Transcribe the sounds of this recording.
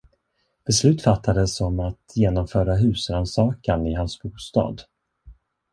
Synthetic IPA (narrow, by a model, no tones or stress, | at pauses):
b̥ɛslʉ̟ːt̪fat̪ʰːad̪əsɔmat̪jeːnɔmfœːɾaɦʉ̟ːsɾansɑːkanɪɦansbuːst̪ɑ̰ːd̪